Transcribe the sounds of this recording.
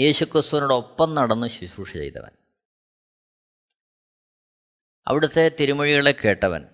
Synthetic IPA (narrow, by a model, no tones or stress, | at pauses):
je̞ːɕukrɨst̪uʋɐnuɽeo̞pːɐmnɐɽɐnːɨɕuɕuːʂit͡ɕḛjt̪ɐ̰ʋɐ̰n | ɐ̰ʋiɽut̪ːe̞t̪iɾimɐɻiɣɐɭe̞kːe̞ːʈːɐʋɐ̰n